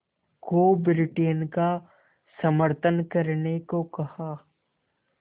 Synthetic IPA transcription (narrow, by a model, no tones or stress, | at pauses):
koːbɪɾɪʈeːnka | sɐməɾt̪ʰənkɐɾnekokɐhaː